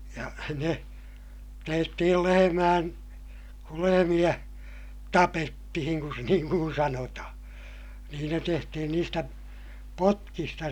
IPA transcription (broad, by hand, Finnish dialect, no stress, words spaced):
jɑ ne tehtihij jo lehemæːn kul lehemij̆æ tɑpetːihiŋ kun niːŋ kun sɑnotɑhɑ̃ː niːn ne tehtihin niːstæ potkistɑ